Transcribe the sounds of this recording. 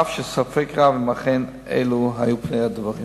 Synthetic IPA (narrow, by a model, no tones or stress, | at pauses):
afʃəsafɛkʁavɪmaχen | ḛɪluɦajupneɪadvaʁi